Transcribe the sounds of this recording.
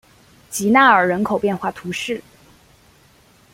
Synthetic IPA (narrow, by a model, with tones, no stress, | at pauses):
t͡ɕi˧˥na˥˩ə˞˨˩ɻə˧˥nkʰo˨˩ʊpjɛ˥˧nxwa˥˩t̪ʰu˧˥ʂɻ̩˥˩